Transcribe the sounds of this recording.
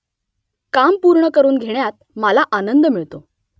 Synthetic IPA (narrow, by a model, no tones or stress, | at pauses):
kampuɾɳəkəɾuːnɡʱeɳjat̪̚ | məlaʔanənd̪miɭt̪o